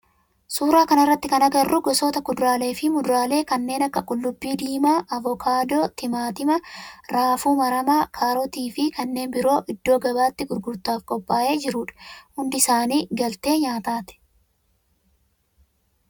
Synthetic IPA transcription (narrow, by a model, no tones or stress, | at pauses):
suːɾaːkɐnɐrːɐt̪ːɪkɐnɐɡɐrːʊɡɔsoːt̪ɐkʊd̪ɾaːle̞ːfɪmʊd̪ʊɾaːle̞ːkɐnːe̞ːnɐkːɐkʼʊlːʊbːiːd̪iːmaːʔɐvɔkʰaːd̪o̞ːt̪ɪmaːt̪ɪmɐɾaːfuːmɐɾɐmaːkʰaːɾɔt̪iːfɪkɐnːe̞ːnbɪɾo̞ːʔɪd̪ːo̞ːɡɐbaːt̪ːɪɡʊɾɡʊɾt̪aːfkʼɔpʼːaːʔe̞ːd͡ʒɪɾʊːᶑ̥hʊnd̪ɪɪsaːniːɡɐlt̪e̞ːɲaːt̪aːt̪ɛ̥